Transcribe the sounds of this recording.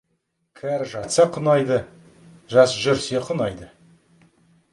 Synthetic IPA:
kʲʰæɾʒɑt̪sɑqʰʊnɑjd̪ə | ʒɑsʒʏɾseqʰʊnɑjd̪ə

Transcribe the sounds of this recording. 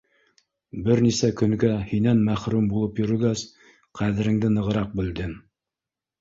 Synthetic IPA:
bɘɾnisækɵ̆ŋɡæhinænmæχɾumbulˠɤpjɵ̆ɾɵ̆ɡæz | qʰæðɘ̆ɾɘ̆ŋd̪ɘnɤ̆ʁɤ̆ɾɑq̚bɘ̆ld̪ɘŋ

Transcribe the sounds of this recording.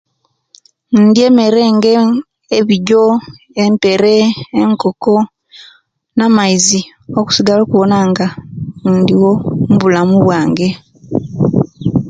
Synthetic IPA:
nːndieme̞ɾeːŋɡe | eβiɟo | empe̞ɾeeŋkoko | namaizi | oku̥siɡaloːkuβonaŋɡaːndiwomuβulamuβwaːŋɡe̞

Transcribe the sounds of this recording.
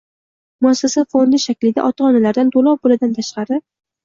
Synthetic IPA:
mʊasːasafond̪ɪʃakʲlɪd̪a̰ʔɒt̪ʰɑɒnalaɾd̪ant̪ʰolˠɒp̚bolad̪ant̪ʰaʃqɑɾɪ

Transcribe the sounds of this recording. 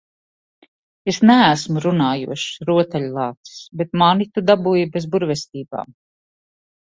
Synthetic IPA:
esnæːsmuɾunaːjṵɔʃɾuɔt̪ɛʎʲlˠɑːt̪i̥sbet̪manit̪ud̪abujibezbuɾvɛst̪iːba̰ːm

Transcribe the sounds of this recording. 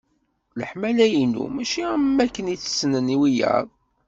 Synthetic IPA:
ləħmælæjinːṵmæʃiæmːækːəniθə̥snəniwijæ̰ðˤ

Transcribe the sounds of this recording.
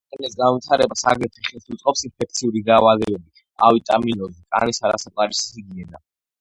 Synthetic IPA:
t̪ʼɛnɛsɡanvwit̪ʰaɾɛbasa̰ɡɾɛɾt̪ʰiχɛlˠsut̪sʼqʼɔpsinpʰɛk̚t̪sʰiuɾiɡ̪aːvalɛbɛbi | a̰vit̪ʼaminɔzikʼa̰nisaɾasapʼaɾisiɡnɛd̪a̰

